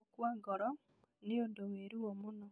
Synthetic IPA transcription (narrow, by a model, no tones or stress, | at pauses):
kwaːŋɡɔɾɔ | nioːndoweːɾuwomuno